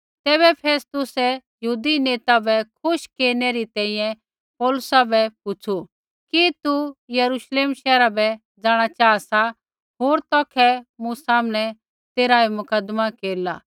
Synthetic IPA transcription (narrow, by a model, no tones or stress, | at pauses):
t̪ɛːβɛpʰeːst̪ʊsɛjɐɦuːd̪ineːt̪abɛkʰʊʃkeːɾneɾit̪ɛ̃ːĩjɛ̃ | pɔːlʊsabɛpʊt͡sʰu | kit̪ujɐɾuʃleːmʃɛːɾabɛ | d͡zaːɽ̃at͡ʃaːsa | ɦoːɾt̪ɔːkʰɛmũsaːmɽ̃ɛ | t̪eːɾaːimʊkəd̪makeːɾla̰ː